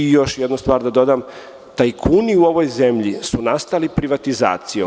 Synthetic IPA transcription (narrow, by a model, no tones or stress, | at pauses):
ijoʃjɛd̪nust̪ʋaːɾd̪ad̪o̞d̪aːm | t̪ajkʰuːniuoʋo̞jzemʎisunast̪alipɾiʋat̪iza̰ːt̪sijo